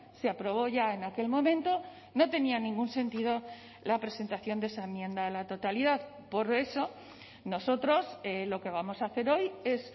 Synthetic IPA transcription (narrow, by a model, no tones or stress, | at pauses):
seapɾo̞β̞o̞ʝae̞nake̞lmõ̞mẽnt̪o̞ | no̞t̪e̞nianĩŋɡunse̞nt̪ið̞o̞ | lapɾe̞se̞nt̪aθjo̞nd̪e̞saemjẽ̞nd̪aelat̪o̞t̪aliðað | po̞ɾe̞so̞ | no̞so̞t̪ɾo̞selo̞ke̞β̞amo̞saːθe̞ɾo̞je̞s